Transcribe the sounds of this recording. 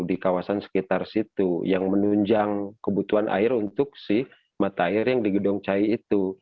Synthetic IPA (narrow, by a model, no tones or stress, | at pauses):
dikawasansə̥kit̪arsit̪ujaŋmənuɲd͡ʒaŋkəbut̪uanʔa̰ɪrunt̪ʊk̚sɪh | mat̪aːɪrjaŋdiɡədɔŋt͡ʃaiːt̪u